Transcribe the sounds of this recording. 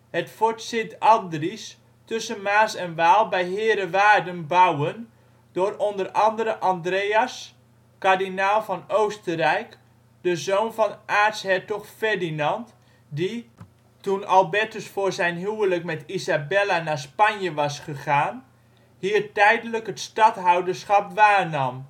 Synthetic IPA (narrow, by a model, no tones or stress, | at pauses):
hətfoɹtsɪtɑndris | tɵsənmaːsɛnʋaːlˠbɛjɦɪːɾəʋaːrdənbawən | d̥orɔndərɑndəɾəʔandreas | kaɹdinalˠfɔnowstərɛjk | d̥əzoːwnvɔnʔaːtshɛtɔχfɛrdinɑnt | di | tunɑlˠbɛtəsfʊːɹzɛjnɦyələkmɛtizabɛlanaspanjəʋɑsχəχaːn | hiːərtɛjdələkətstɑtɦawdərsχɑpʋaːnɑm